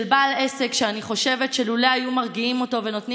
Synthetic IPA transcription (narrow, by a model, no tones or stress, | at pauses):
lbalesekʃeaniχo̞ʃe̞ve̞tʃeluleajumaʁɡiimo̞to̞ve̞no̞tni